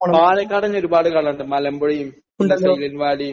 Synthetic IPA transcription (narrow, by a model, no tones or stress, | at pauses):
maːnekːɐɽɐɲːɐoɾubaːɽɨkaːɭɐɳɖɨmɐlɐmboɽɐjumː | ɐsɐjlɐnʋaːɽijm